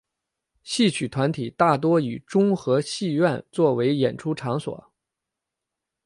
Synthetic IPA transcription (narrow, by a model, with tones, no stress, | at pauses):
ɕi˥˩t͡ɕʰy˨˩t̪ʰwa˧˥nt̪ʰi˨˩t̪a˥˩t̪̬wɔ˥y˨˩ʈ͡ʂʊ˥ŋxɤ˧˥ɕi˥˧ɥɛ˥˧nt͡swɔ˥˩we˧˥ɪjɛ˨˩nʈ͡ʂʰu˥ʈ͡ʂʰɑ˧˥ŋswɔ̰˨˩˦